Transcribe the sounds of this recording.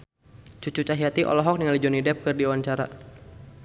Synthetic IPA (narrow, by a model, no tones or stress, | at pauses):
t͡ʃut͡ʃut͡ʃaɦiat̪iʔɔ̰lɔɦɔk̚nəŋalid͡ʒɔnidɛp̚kɨrdiuwaɲt͡ʃaɾa̰